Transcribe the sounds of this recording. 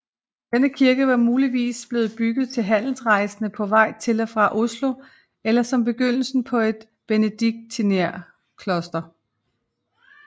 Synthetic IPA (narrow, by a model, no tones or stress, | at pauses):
d̥enəkʰiɐɡ̥əʋɑ̈muːliʋḭːsb̥le̝ːð̞̩ˠb̥yɡ̥ð̩ˠt͡sʰe̝lɦæn̰l̩sʁɑ̈ɪsənəpʰɒ̽ʋɑ̈ɪ̰t͡sʰe̝lɒfʁɑ̈ʔo̝slo̝ | elɐsɒ̽mb̥e̝ɡ̥øn̰l̩sn̩pʰɒ̽e̝d̥ | b̥enəd̥iɡ̥̚d̥̚t͡sʰineɐ̰ | kʰlɒ̽sd̥ɐ